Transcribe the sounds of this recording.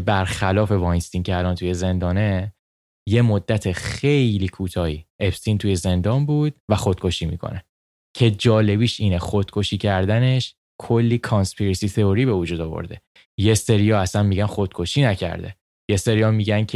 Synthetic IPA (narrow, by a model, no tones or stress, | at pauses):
bæɾxælɒːfe̞vɒjnst̪incʰeælɒnt̪ʰuje̞ze̞nd̪ɒːne̞ | je̞mod̪ːæt̪ʰeχejliːkʰuːt̪ʰɒːhḭʔepsint̪ʰuje̞ze̞nd̪ɒnbuːd̪̥̚væxo̞d̪̥̚kʰo̞ʃiːmḭkʰo̰ne | cʰe̞d͡ʒɒːle̞βiːʃiːnexo̞d̪̥̚kʰo̞ʃiːcʰæɾd̪æne̞ʃ | kʰolːiːkʰɒnspʰiɾisit̪ʰe̞oɾibe̞vud͡ʒuːd̪ɒvo̞̰ɾd̪e̞ | je̞se̞ɾijɒæsænmiːɟænxo̞d̪̥̚kʰo̞ʃiːnæcʰæ̰ɾd̪ḛ | je̞se̞ɾiɒmiɟæncʰe